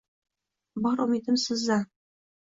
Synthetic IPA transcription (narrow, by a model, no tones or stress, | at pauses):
bɒɾumid̪ɘ̆msɤ̆zɑ